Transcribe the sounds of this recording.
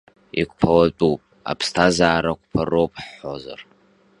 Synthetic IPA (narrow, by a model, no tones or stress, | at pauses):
ikʷʼpʰɐwɐtʼuwpʼ | a̰pʰstʰazaːɾɐkʷʰʼpʰɐrowp̚ʼħozɐ̰r